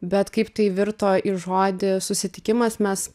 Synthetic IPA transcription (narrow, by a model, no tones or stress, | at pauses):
bʲɛt̪kɐɪpt̪ɐɪʋʲɪɾt̪oːʔɪʒoːd̪ʲɪsʊsʲɪt̪ʲɪkʲɪmɐsmʲɛs